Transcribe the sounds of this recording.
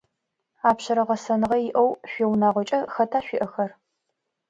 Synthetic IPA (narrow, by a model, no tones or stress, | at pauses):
aːpɕɐɾɐʁɐsɐnɨʁɐjɪʔɐwɕʷiːwnaːʁʷɔt͡ʃʼɐxɐtʰaːɕʷiʔɐxɐr